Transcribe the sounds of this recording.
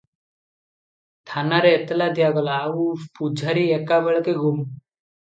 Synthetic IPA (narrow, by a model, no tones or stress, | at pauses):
t̪ʰanaɾeːt̪lad̪ijaɡɔlaːupud͡ʒʱaɾiekabeɭkeɡum